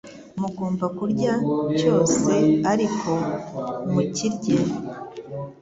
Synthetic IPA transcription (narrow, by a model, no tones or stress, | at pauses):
muɡoːmbakuɾɟaco̞ːse̞aɾikʰo̞ | muciɾɟe